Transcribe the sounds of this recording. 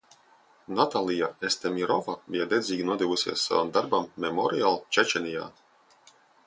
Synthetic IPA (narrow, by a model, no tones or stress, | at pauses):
nat̪alˠijaest̪ɛmʲiɾɔvabʲijad̪ɛzʲiːɡinuɔd̪ɛvusʲḭɛsːa̰va̰md̪aɾbamːɛmɔɾialˠt͡ʃɛt͡ʃɛnʲija̰ː